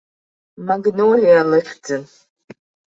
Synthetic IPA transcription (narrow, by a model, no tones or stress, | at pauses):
maɡnowlialɨχʲd͡zɨn